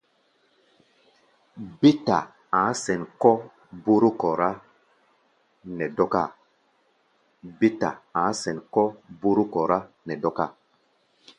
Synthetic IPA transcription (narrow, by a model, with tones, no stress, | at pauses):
bi˦ta˨ | ã˨˦sɛ˨nkɔ˦ | bu˦ɾu˦kɔ˨ɾa˦ | nɛ˨dɔ˦ka˦˨ | bi˦ta̰˨ã˨˦sɛ̃˨nkɔ˦bu˦ɾu˦kɔ˨ɾa˦ | nɛ˨dɔ˦ka̰˦˨